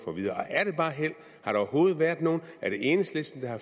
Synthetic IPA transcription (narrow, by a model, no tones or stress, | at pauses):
fɒ̽ʋiðˠɐʔɒ̽ʔæɐɾ̥e̝b̥ɑ̈ːɦel̰ | hɑ̈ɾ̥eɒɐɦo̝ːð̞̩ˠʋæɐ̰d̥ˠno̝ːn̩æɐɾ̥e̝e̝ːnəsd̥lesd̥n̩d̥ɑ̈hɑ̈